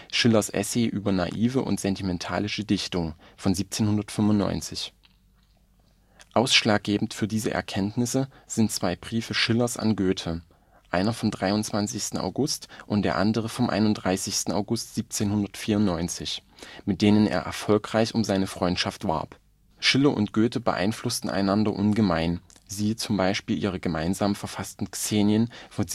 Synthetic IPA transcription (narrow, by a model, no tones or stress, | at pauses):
ʃɪlɐsʔɛ̰sɛɪʔyːbɐna̰ʔiːvəʔʊ̰ntz̥ɛntimɛntʰa̰ːlɪʃədɪçtʊŋfɔnziːp̚t͡seːnhʊndɐtfʏmvʊntːnɔ̰ʏnt͡sɪç | ʔaʊsʃlaːk̚ɡ̥eːbm̩tfyːɐdiːzəʔɛ̰ɐkʰɛntnɪsəz̥ɪntt͡sv̥aɪbʁiːfəʃɪlɐsa̰nɡøːtʰə | ʔaɪnɐfɔmdʁaɪʊnt͡sv̥ant͡sɪçstn̩a̰ʊɡʊstʔʊntd̥eːɐʔa̰ndəʁ̞əfɔmʔa̰ɪnʊnd̥ʁaɪsɪçstn̩a̰ʊɡʊstz̥iːp̚t͡seːnhʊndɐtfiːɐʊntnɔʏnt͡sɪçmɪt̚d̥eːnənḛːɐʔɛ̰ɐfɔlkʁ̥aɪçʊmzaɪnəfʁ̥ɔʏntʃaftv̥a̰ɐp | ʃɪləʔʊ̰ntɡ̥øːtəbə̰ʔa̰ɪnflʊstn̩ʔa̰ɪnandɐ̰ʔʊnɡəmaɪnziːt͡sʊmbaɪʃpiːlʔiːʁ̞əɡəmaɪnzaːmfɛɐfastn̩t͡seːnjənf